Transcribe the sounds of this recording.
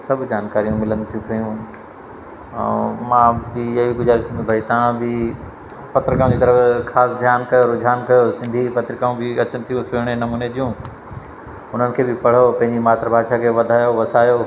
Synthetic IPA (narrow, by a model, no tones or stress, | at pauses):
sɐbʱd͡ʑaːnkaːɾijũmɪlənt̪ʰijũkɐjũ | mãːbɪɐɦiɡʊd͡ʑaːɾisʰĩːnd̪ubɐit̪ɐãbɪ | pɐt̪ɾɪkãːũd͡ʑiːt̪ɐɾəfxʰaːsd̪ʱjaːnkɐjoɾʊd͡ʑʱaːnkɐjosɪ̃nd̪ʱipɐt̪ɾɪkaːũbɪɐt͡ɕənɪ̆t̪ʰijũsʊɽ̃enɐmuːned͡ʑijũ | ʊn̤ənɪ̆kʰeːbɪpɐɽ̤opɐ̃ɦɪ̃ɲd͡ʑimaːt̪ɾəbʱaːd̪ʃakʰeːʋɐd̪ʱaːjoʋɐsaːjo